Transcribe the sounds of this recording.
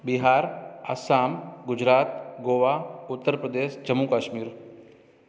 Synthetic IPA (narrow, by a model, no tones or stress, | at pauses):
biɦaːɾasaːmɡʊd͡ʒɾaːt̪ɡoːʋaːʊt̪ːəɾpɾəd̪eːʃd͡ʒɐmːukaːʃmiːɾ